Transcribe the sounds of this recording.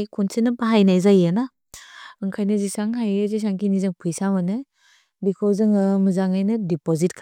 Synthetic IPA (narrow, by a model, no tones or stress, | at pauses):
jkʰunsinɯpaɦajnajzajena | ɯŋkʰajnɯzisaŋɦajɯzis̬aŋkʰinizɯŋpʰɯjsamanɯ | bikʰɔwzɯŋɯmɯzaŋajnɯdipɔzit̚kʰ